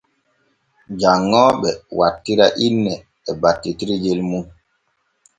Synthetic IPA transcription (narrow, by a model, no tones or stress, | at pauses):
d͡ʒaŋːɔːɓɛwatːiɾaʔinːɛː | batːitiɾid͡ʒelmun